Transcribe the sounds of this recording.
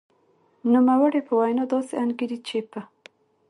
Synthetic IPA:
numawəɽepəwajnɑd̪ɑseanɡiɾit͡ʃepə

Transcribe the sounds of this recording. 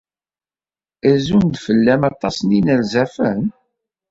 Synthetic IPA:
æzund̪fəlːæmɑt̪ˤːɑsˤninælzæfən

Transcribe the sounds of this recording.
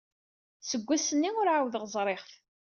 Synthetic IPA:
səɡʷːæsənːiʊɾʕawəðʁəzˤɾˤeχθ

